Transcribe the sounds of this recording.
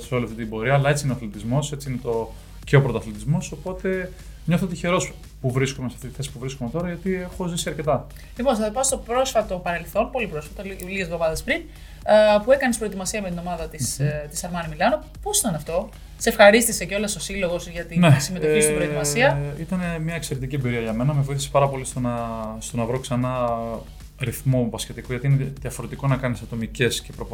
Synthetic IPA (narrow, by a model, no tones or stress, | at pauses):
seliɐft̪it̪ibo̞ɾiɐːlɐe̞t͡siineθlit̪izmo̞se̞t͡siinet̪o̞ | ceopɾot̪ɐθlit̪izmo̞so̞po̞t̪e̞ | ɲo̞θot̪içe̞ɾo̞s | puvɾiskomesɐft̪it̪i̥θe̞si̥puvɾiskome̞t̪o̞ɾɐʝɐt̪iexo̞zisiɐɾce̞t̪ɐ | lipo̞nsɐðopɐst̪o̞pɾo̞sfɐt̪o̞pɐne̞lθo̞npo̞lipɾo̞sfɐt̪oiliʝe̞zðo̞mɐðespɾin | pue̞kɐnespɾo̞et̪imɐsiɐme̞t̪ino̞mɐðɐt̪ist̪isɐɾmɐnimilɐno | po̞sit̪ɐnɐft̪o̞ | se̞fxɐɾist̪ise̞ceo̞leso̞silo̞ɣo̞sʝɐt̪inesimeoçisst̪bot̪imɐsiɐit̪ɐnemɲɐekse̞ɾe̞t̪iciebiɾiɐʝɐme̞nɐmevoiθi̥spɐɾɐpo̞list̪onɐst̪o̞nɐvɾo̞ksɐnɐ | ɾiθmopɐsce̞t̪ikoʝɐt̪ineðiɐfo̞ɾe̞t̪iko̞nɐkɐnisɐt̪o̞mice̞sce̞pɾop